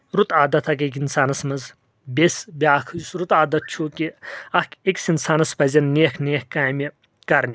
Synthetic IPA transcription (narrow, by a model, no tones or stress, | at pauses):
ɾut̪aːd̪ɐt̪ʰɐkekinsaːnɐsmɐz | bʲesbʲaːkʰsɾut̪aːd̪ɐt̪̚t͡ʃʰukiɐkekʲsinsaːnɐspɐzʲɐnneːkʰneːkkaːjme | kɐɾnʲi